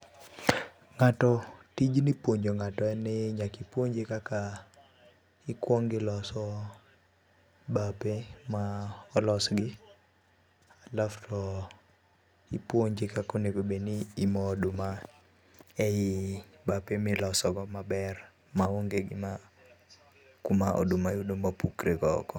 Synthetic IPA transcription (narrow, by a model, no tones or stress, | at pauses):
ŋatɔtid͡ʒnɪpwoɲd͡ʒoŋatɔɛnɪɲakipwoɲd͡ʒekaka | ɪkwɔŋɡɪlɔsɔ | bapemaɔlɔsɡɪ | alaftʰɔ | ipwoɲd͡ʒɪkakoneɡobenɪːmɔduma | ɛjɪbapemɪlɔsɔɡɔmabɛr | mawoŋɡeɡɪma | kumaʔɔ̰dumaudomapukɾeɡɔkɔ